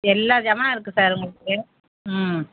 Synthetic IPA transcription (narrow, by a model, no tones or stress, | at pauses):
ɛlːaːd͡ʒɐmaːɪɾɯkːɯsaːɾʊŋɡɐɭɯkːɯ | m